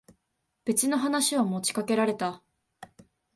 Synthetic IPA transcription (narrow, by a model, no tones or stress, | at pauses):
b̥e̞t͡ɕino̞ɦanaɕiβamo̞t͡ɕi̥kake̞ɾaɾe̞t̪a